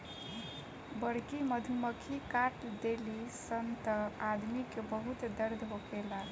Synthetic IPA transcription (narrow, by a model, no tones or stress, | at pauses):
bəɽkiməd̪ʱuməkʰikaʈd̪elisənt̪əad̪mikebəɦut̪d̪əɾd̪ʱɦokela